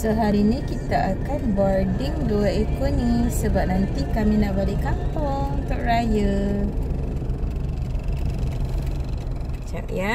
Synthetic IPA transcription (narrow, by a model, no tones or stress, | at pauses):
səɦaɾinĩkit̪aʔakanbɔrdɪŋduaekonĩsəbap̚nãnt̪ikamĩnaʔbalekapɔŋt̪əʔrajə | t͡ʃa̰ʔja